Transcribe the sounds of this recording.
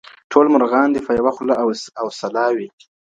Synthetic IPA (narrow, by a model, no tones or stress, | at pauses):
ʈʰolmʊɾɣɑnd̪əfajawaxlaawsalɑwi